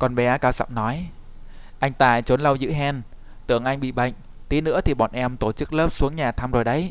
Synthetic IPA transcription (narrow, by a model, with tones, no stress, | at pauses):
kɔ˨˩nɓɛ˨˦kaː˨˦wsa̰˧˨wmnɔ˨˦j | ʔa˧jŋ̟t̪aː˧˩jt͡ɕo˨˦nlə˧wzɨ̰˧˥ɦɛ˧n | t̪ɨ˨˧˩əŋʔa˧jŋ̟ɓḭ˧˨ɓa̰˧˨jŋ̟ | t̪i˨˦nɨ̰˧˥ət̪ʰi˨˩ɓɔ̰˨˩nʔɛ˧mt̪o˧˩t͡ɕɨ˦˥k̚ləː˦˥p̚su˨˦əŋɲaː˨˩t̪ʰaː˧mzo˨˩jɗə˨˦j